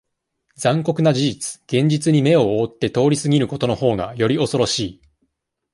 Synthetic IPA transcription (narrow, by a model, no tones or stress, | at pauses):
d͡zãŋko̞kɯ̟nad͡ʑid͡ʑit͡sɨ̥ɡ̥ẽ̞ɲ̟d͡ʑit͡sɨɲ̟ime̞o̞oːt̪ːe̞t̪o̞ːɾʲisɨɡʲiɾɯ̟ko̞t̪o̞no̞ho̞ːɡa̰jo̞ɾʲio̞so̞ɾo̞ɕiː